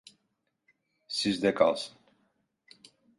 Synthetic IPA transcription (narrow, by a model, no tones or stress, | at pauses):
sizd̪ɛka̰lˠsən